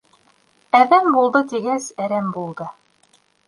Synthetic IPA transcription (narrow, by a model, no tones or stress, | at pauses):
æðæmbulˠd̪ɤt̪iɡæsæɾæmbulˠd̪ɤ